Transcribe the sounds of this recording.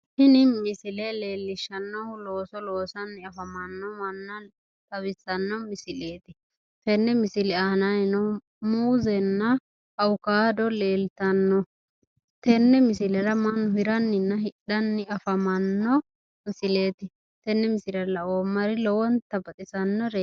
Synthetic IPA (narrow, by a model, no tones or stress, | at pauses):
hɪnɪmɪsɪlele̞ːlːɪʃɐnːɔlo̞ːsɔloːsɐnːɪɐfɐmɐnːɔmɐnːɐ | t̪ɐwɪsɐnːɔmɪsɪle̞ːt̪ɪ | t̪ɛnːɛmɪsɪlɛɐnɐnɪnɔ | muːzɛnːɐ | ɐwʊkaːd̪ɔleːlt̪ɐnːɔ | t̪ɛnːɛmɪsɪlɛɾɐmɐnːɔhɪɾɐnːɪnːɐɦɪɗɐnːɪɐfɐmɐnːɔ | mɪsɪle̞ːt̪ɪ | t̪ɛnːɛmɪsɪɾɐlɐoːmːɐɾɪlɔwɔnt̪ɐbɐt̪ʼɪsɐnːɔɾe